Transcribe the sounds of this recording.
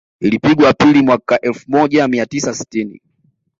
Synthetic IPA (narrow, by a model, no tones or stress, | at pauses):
ilipiɡwapilimwakaʔɛlfumɔʄamiatisasi̥tinḭ